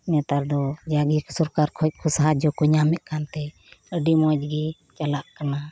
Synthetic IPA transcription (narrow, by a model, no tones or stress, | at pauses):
mɛt̪aɾd̪ɔd͡ʒaɡiksuɾkaɾkʰɔc̚kʰusaɦad͡ʒɔkuɲamɛʔ̪̚kant̪ɛ | əɖimɔd͡ʒ̚ɡi | t͡ʃalaʔkana